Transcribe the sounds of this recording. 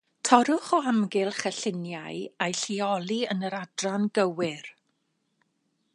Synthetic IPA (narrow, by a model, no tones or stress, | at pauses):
tʰɔɾʊχɔamɡɪlˠχəɬɪnjajajɬiɔlˠiənəɾadranɡəwɪr